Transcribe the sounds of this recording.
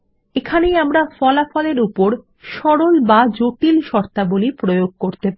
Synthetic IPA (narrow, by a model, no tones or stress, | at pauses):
ekʰanejamɾafɔlafɔleɾupoɾ | ʃɔɾolbad͡ʑoʈilʃɔɾt̪abolipɾojoɡ̚koɾt̪ep